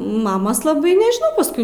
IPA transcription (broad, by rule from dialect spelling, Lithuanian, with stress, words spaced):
ˈmɑːmoːs lˠɐˈbɐɪ nʲɛʒʲɪˈnɐʊ pɐsˈkʊɪ